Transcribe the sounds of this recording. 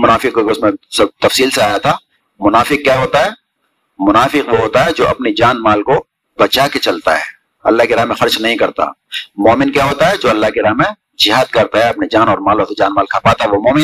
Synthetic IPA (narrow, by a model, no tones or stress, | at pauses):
mʊnaːfɪqkokʊsmẽsɐbt̪ɐfsiːlseaːjat̪ʰaː | mʊnaːfɪq̚kjaːɦoːt̪aɦɛː | mʊnaːfɪqʋoɦoːt̪aɦɛd͡ʒoːʔɐpnid͡ʒaːnmaːlko | bɐt͡ʃaket͡ʃɐlt̪a̰ɦɛː | ɐ̰lːaɦkeɾaɦmẽxɐɾt͡ʃnɐɦĩkɐɾt̪a̰ | mɔːmɪnkjaːɦoːt̪aɦɛd͡ʒoːɐlːaɦkeɾaɦmẽ | d͡ʒɪɦaːd̪̚kɐɾt̪aɦɛɐpnid͡ʒaːnɔːɾmaːlosed͡ʒaːnmaːlkʰaːpaːt̪aɦɛʋomɔːmɪ